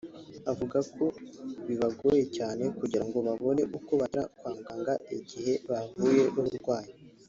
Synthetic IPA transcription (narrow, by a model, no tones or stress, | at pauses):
avuɡakʰo̞βiβaɡo̞je̞caːne̞kuɟiɾaŋɡo̞βaβo̞ne̞ʔukoβaɾakwaːmɡaːŋɡaiɟihe̞βavuje̞nuβuɾɡwaːji